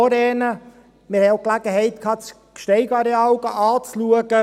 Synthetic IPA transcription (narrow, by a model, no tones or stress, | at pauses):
ɔɾɛːnə | mɪɾhɛoʊklæɡ̥əɦɛɪt̪kʰɑːt͡s | kʃtɛɪɡɑɾɛɑlɡəʔɑːt͡sluəɡə